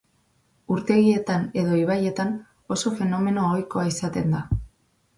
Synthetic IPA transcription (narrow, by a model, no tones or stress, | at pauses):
uɾt̪e̞ɣie̞t̪ane̞ð̞o̞iβ̞aje̞t̪an | o̞so̞fe̞no̞me̞no̞ojko̞aisat̪e̞nd̪a